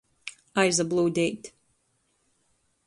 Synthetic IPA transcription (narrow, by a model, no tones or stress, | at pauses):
aɪzəblˠoːdet